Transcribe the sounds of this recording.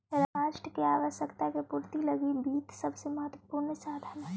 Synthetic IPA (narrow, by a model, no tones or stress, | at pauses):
ɾaːʃʈəkeaːʋəʃjəkt̪akepuːɾt̪ilɐɡibiːt̪sɐbsemɐɦət̪ʋəpuːɾnsaːd̪ʱanɦɛ